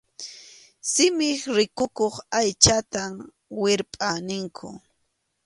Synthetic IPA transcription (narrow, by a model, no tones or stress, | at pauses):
sɪmɪχɾɪkʊkoχajt͡ʃat̪a | wɪɾpʼanɪŋkʰʊ̰